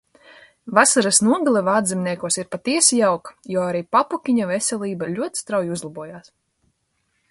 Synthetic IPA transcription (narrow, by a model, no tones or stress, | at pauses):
vasaɾasnuɔɡalˠɛvaːd̪zʲɛmniɛkuɔsiɾpat̪iɛsjawkjɔːaɾiːpapukʲiɲɔvɛsʲɛlˠiːbaʎʲuɔt̪st̪ɾawjuzlˠabuɔjaːs